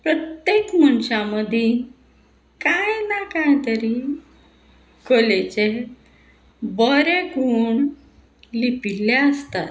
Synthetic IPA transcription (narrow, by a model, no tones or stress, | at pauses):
pɾət̪jekməɳɕaməd̪ʱji | kajnakajt̪əɾi | kolet͡se | bɔɾekuɳ | lipilːjaəst̪a̰t̪